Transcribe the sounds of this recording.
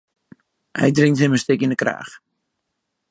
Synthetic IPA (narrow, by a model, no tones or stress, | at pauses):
hɛ̰jdrɪŋthɪməstɪkindəkra̰ːx